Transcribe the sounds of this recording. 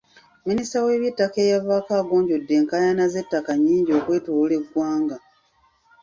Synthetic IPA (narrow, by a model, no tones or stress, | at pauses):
ministawe̞ːβjetːake̞ːjaβakaːɡo̞ːɲɟo̞dːe̞ːŋkajanaze̞tːakaɲːiːɲɟio̞ːkwe̞ːtuwule̞ɡːwaːŋɡa